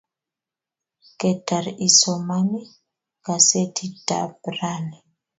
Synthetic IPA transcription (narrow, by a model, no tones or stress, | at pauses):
kɛtaɾisɔmani | kasetʰita̰bɾani